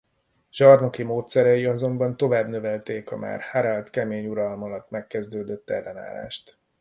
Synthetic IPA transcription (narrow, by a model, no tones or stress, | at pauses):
ʒ̥ɒrno̞kimoːt̪sɛɾɛjiɒzo̞mbɒnt̪o̞vaːbnø̞vɛlt̪eːkɒ̰ma̰ːrhaɾalt̪kɛmeːɲuɾɒlmɒlɒt̪ːmɛkːɛzd̪øːd̪ø̞t̪ːɛlːɛna̰ːla̰ːʃt̪